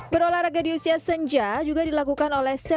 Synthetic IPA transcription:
bəɾolahɾaɡadiusiasəɲd͡ʒad͡ʒuɡadilakukanolɛhsə

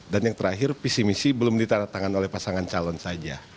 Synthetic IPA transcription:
danjaŋt̪əɾaɦɪrpisimisibəlʊmdit̪anat̪aŋanolɛhpasaŋant͡ʃalɔnsad͡ʒa

